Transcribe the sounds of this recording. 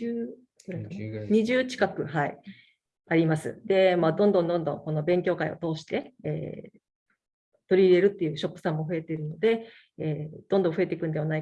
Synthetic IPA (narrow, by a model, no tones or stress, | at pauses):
ɲ̟iʑɨːt͡ɕi̥kakɯ̟ɦai | aɾʲimasɨ̰d̪e̞maːd̪õ̞nd̪õ̞nd̪õnd̪õ̞ŋko̞no̞bẽ̞ŋk̬ʲo̞ːkaḭo̞̰t̪o̞ːɕi̥t̪e̞ḛː | t̪o̞ɾʲiːɾe̞ɾɯ̟t̪ːe̞jɯ̟ːɕo̞pːɯ̟̥sãmːo̞ɸɯe̞t̪e̞ɾɯ̟no̞d̪e̞ | eːd̪̥õ̞nd̪õ̞ɸɯe̞t̪ekɯ̟nd̪e̞βanai